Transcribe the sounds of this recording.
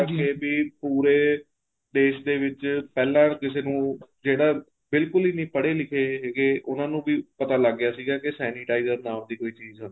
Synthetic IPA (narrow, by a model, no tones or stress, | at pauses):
keːbiːpuːɾeː | ɖ̪eːʃd̪eːʋɪt͡ʃpɛːlãːkɪseːnũːd͡ʒeːɽaː | bɪlkʊliːnĩːpəɽeːlɪkʰeːɡeːʔʊnãːnũːbiːpət̪aːləɡːjaːsiːɡaːkɪsɛːniʈaːizəɾnaːmd̪iːkoːiːt͡ʃiːzɦənː